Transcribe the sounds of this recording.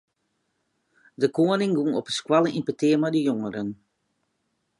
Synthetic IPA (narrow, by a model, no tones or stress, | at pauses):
dəkoənɪŋɡunɔpəskwalˠəʔimpətɪəmɛjdəjoŋəɾən